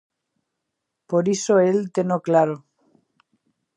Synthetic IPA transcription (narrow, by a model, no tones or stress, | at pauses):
poɾisoelt̪enoklaɾo